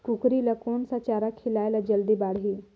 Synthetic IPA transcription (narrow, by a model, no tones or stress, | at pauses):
kukɾilakoɳsat͡ɕaɾakʰːilajlad͡ʑəld̪ibaɽɦi